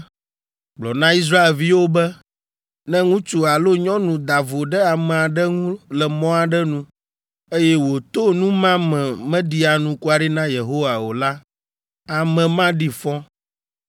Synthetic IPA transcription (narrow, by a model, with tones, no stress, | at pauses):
ɡ͡blɔ˨nã˦i˦s̬ɾa˦e˨lvi˦wo˦bɛ˦ | nɛ̃˦ŋũ˦t͡ʃu˦a˨lo˦ɲɔ̃˦nũ˨d̪a˨vo˨ɖɛ˦a˨mɛ̃˨a˨ɖɛ˦ŋũ˦lɛ˨mɔ̃˦a˨ɖɛ˦nũ˦ | e˦jɛ˦wo˨t̪o˦nũ˦mã˦mɛ̃˨mɛ̃˦ɖi˦a˨nũ˨ku˦a˨ɖi˦nã˦je˨ɦo˦wa˨wo˨la˦ | a˨mɛ̃˨mã˦ɖi˦fɔ̃˦